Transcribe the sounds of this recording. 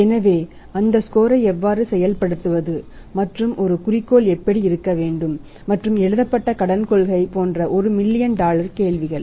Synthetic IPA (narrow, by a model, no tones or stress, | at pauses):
ɛnɐʋeː | ɐnd̪ɐskoːɾɐɪɛʋːaːɾɯsɛjɐlpɐɽɯt̪ːɯʋɐðɯ | mɐʈrɯmʔɔɾɯkʊrɪkːoːɭɛpːɐɽiɪɾɯkːɐʋeːɳɖɯmː | ɐʈrɯmɛɻɯðɐpːɐʈːɐkɐɽɐnkɔɭɣɐɪpoːndrɐʔɔɾɯmɪlːɪjɐnɖaːlɐɾkeːɭʋɪɣɐɭ